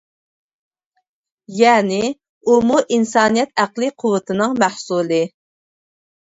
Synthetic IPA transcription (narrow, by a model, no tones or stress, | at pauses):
jɛːnɪ | umuʔinsɑːnijɛt̪æqlˠɨqʰʊwət̪ʰɨnɨŋmæhsulˠɨ